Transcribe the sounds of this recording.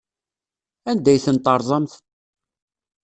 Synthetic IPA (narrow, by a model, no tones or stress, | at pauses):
ænd̪æjθənt̪ˤɑɾˤðˤɑmθ